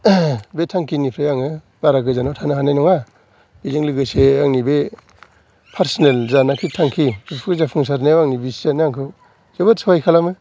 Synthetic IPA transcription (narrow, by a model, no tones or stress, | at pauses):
betʰaŋkʰinipʰɾajaŋɯ | b̥aɾaɡɯzanɔtʰanɯɦanajnɔŋa | b̥izeŋlɯɡɯseaŋnibe | pʰaɾsinelzanakʰitʰaŋkʰibɯpʰkɯzapʰɯŋsaɾneawaŋnibisanaŋkʰɯw | z̥ebɯtsʰawajkʰalamɯ